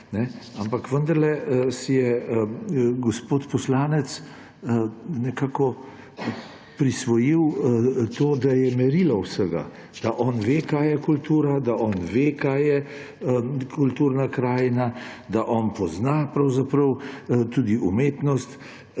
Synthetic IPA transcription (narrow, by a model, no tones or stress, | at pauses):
nɛampakʋənd̪ɐɾlɛsijɛ | ɡɔspoːt̪pɔslaːnɛt̪s | nɛkaːkɔ | pɾisʋɔjiwt̪oːd̪ajɛmɛɾilawsəɡa̰ | d̪̥aʔɔːnʋeːkaːjɛkult̪uːɾad̪aʔɔːnʋekajɛ | kʰult̪uːɾnakɾaːjnad̪aʔɔːnpɔznapɾawzapɾəwt̪ud̪iʔumeːt̪nɔst̪